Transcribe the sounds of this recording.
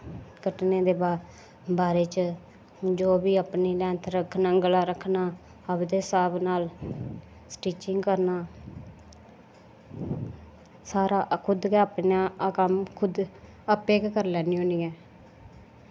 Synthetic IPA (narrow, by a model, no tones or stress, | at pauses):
kəʈneːd̪eːbaː | baːɾeːt͡ʃ | d͡ʒoːbiːəːpniːlɛ̃ːnt̪ʰɾəkʰnaːɡəlaːɾəkʰnaː | əbd̪eːsaːbnaːl | sʈiːt͡ʃɪŋɡkəɾnaː | saːɾaːkʰʊd̪kɛəpnãːkəmkʰʊd̪ | əpeːkkəɾlɛːnĩɦõːniːɛː